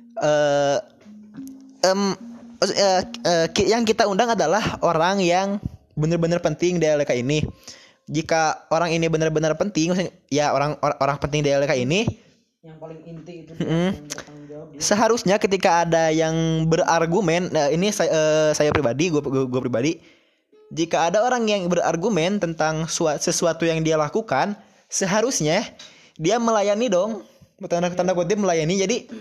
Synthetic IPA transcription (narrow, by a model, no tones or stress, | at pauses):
əː | əm | əːəːkijaŋkit̪aundaŋadalahʔoɾaŋjaŋ | bənərbənərpənt̪ɪŋdaalekaini | d͡ʒikaoɾaŋinibənərbənərpənt̪ɪŋmasɪŋ | jaoɾaŋʔoɾaŋpənt̪ɪŋdaalekaini | lŋint̪m̩m̩ | səɦaɾusɲakət̪̬ikaːdajaŋbərarɡumɛnəinisaəsajapɾibadiɡuaɡuapɾibadi | d͡ʒikaːdaoɾaŋjaŋbəɾa̰rɡumɛnt̪ənt̪aŋsuasəsuat̪ujaŋdialakukan | səɦaɾusɲa | diaməlajanidɔŋt̪anat̪andakut̪̬iaməlajanid͡ʒadi